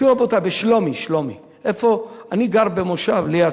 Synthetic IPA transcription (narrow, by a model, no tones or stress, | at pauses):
iobot̪abeʃlomiʃlomi | ʔefoaniɡaʁbemoʃavlia